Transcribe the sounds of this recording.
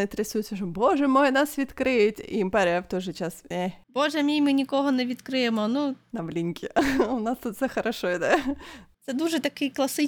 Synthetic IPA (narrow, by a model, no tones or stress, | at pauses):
nɨt̪ɾʲɪsujʊt̪sɐʐɨmboʐɛmojnasʋʲɪt̪kɾɪtʲimpaɾʲaft̪oʐɨt͡ɕaseboʐɛɐmʲimɨnʲɪkoɦɔnɛʋʲit̪kɾɪjɛmɔnunɐʋlʲinʲkʲɪʊnast̪ut̪sɛxɐɾɐʂoɪd̪at̪sɛd̪uʐɛt̪ɐkɪjklˠɐsɪ